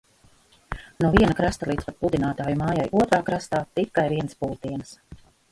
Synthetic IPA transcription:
nuɔviɛnakɾast̪alˠiːd̪spat̪̚pud̪ʲinaːt̪aːjumaːjajʔuɔt̪ɾaːkɾast̪aːt̪it̪kajviɛnspulˠt̪iɛns

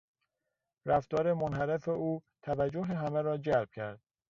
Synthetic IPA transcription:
ɾæft̪ɒːɾemonhæɾefeʔuːt̪ʰævæd͡ʒːoɦeɦæmeɾɒːd͡ʒælb̥̚cʰæɾd̪̥̚

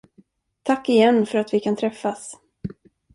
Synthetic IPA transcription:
t̪ʰakːɪjɛnːfœɾat̪vɪkʰant̪ʰɾɛfːas

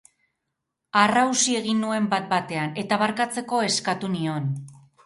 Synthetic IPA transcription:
arawsie̞ɣinːue̞mbat̪̚bat̪e̞ane̞t̪aβaɾkat͡se̞ko̞e̞skat̪unio̞n

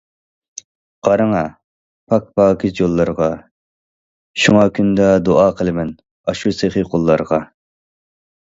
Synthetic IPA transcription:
qɑɾɨŋɑ | pʰɑk̚pʰɑːkʰʲizjolˠːɑɾʁɑ | ʃuŋɑkʲʰynd̪ɛd̪oʔɑːqʰəlˠɨmɛn | ɑʃuseχiqʰolˠːɑɾʁɑ

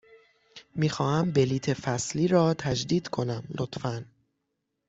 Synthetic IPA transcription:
miːxɒːhæmbe̞liːt̪ʰe̞fæsliːɾɒːt̪ʰæd͡ʒd̪iːd̪̥kʰo̞næmlʔot̪fæn

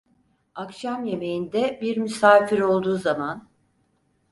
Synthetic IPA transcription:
akʃamje̞me̞jind̪ɛbiɾmysaːfiɾo̞lˠd̪uːzaman

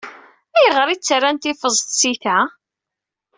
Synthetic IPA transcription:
æjəʁəɾit͡sːɾːant̪ifəzˤt̪siθæ

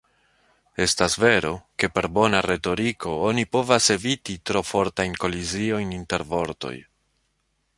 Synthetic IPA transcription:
e̞stasve̞ɾo̞ke̞pe̞ɾbo̞naɾe̞to̞ɾiko̞o̞nipo̞vase̞vititɾo̞fo̞ɾtajnko̞lizio̞jninte̞ɾvo̞ɾto̞̰j

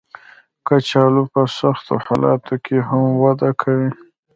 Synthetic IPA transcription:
kat͡ʃɑlupəsaxt̪o̰hɑlɑ̰t̪okʰeɦamwad̪akʰawi

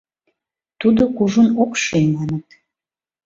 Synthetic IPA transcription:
t̪ud̪okuʒunokʃenɑnət̪

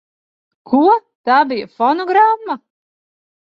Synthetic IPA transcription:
kʰuɔt̪aːbijəfɔnɔɡɾamːa

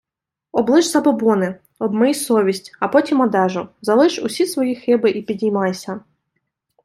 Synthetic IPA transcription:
ɔblˠɪʒsɐbɔbɔnɪ | ɔbmɔjisɔʋʲisʲtʲɐpɔtʲimɔd̪ɛʒʊzɐlˠɪʒʊsʲisʋɔjixɪbɪʔipʲidʲijmɑjsʲɐ

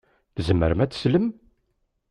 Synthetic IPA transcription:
θzəmːə̰ɾəmæt͡sːsləm

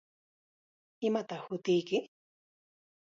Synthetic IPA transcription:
ɪmat̪ɑχhʊt̪ɪjkɪ

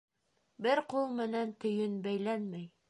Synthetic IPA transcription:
bɘɾqulˠmɘ̆nænt̪ɵ̆jɵnbæjlænmæj

